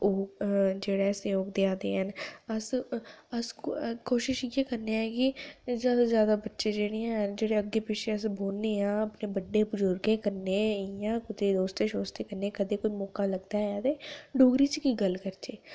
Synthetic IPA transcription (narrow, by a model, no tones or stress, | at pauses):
oːd͡ʒeːɽaːsjoːɡd̪ɪaːd̪ḛːɦənəsəskoːʃɪʃiɡeːkəɾneɛːkɪzjaːd̪aːzjaːd̪aːbətːʃeːd͡ʒeːɽeãɦənd͡ʒeːɽeəɡːeːpɪt͡ʃʰeəsboːlneːãːəpneːbəɖːeːbʊzʊɾɡẽːkəɾneːjãːkʊt̪eːd̪oːst̪eːʃoːst̪eːkəɾneːkəd̪eːkʊmɔːkaːləɡd̪aːaːt̪eːɖoːɡɾiːt͡ʃkiːɡəlkəɾt͡ʃeː